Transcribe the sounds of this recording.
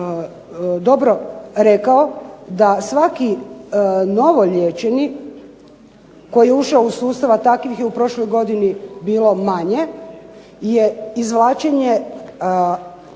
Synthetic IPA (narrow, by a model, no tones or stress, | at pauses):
d̪o̞bɾo̞ɾekao̞d̪asʋaki | no̞ʋo̞ʎet͡ʃeni | ko̞jijeuʃaousuːst̪aʋat̪akʋixjeupɾo̞ʃlo̞jɡo̞d̪inibiːlo̞maɲe̞ | jeizʋlˠaːt͡ʃeɲe